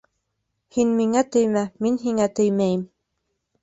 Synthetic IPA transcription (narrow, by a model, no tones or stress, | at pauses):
hinmiŋæt̪ɵjmæminɦiŋæt̪ɵjmæjɘm